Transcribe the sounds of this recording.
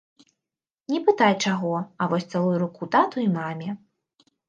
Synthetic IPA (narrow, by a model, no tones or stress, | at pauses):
nʲɛpɨt̪ajt͡ʂaɣɔɐvɔsʲt̪salˠujuɾukut̪at̪uimamʲɛ